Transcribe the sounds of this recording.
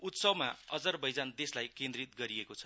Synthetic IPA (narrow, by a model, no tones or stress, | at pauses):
ut̪sʌbmaʌd͡zʌrbʌjd͡zand̪eslajkẽnd̪rit̪̚ɡʌɾiekot͡sʰʌ